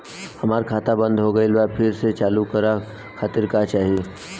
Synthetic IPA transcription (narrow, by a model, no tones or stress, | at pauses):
hɐmaːɾkʰaːt̪abə̃nd̪ʱɦoɡɐelʋapʰɪɾset͡ʃaːlukɐɾa | kʰaːt̪ɪɾkat͡ʃaːɦieː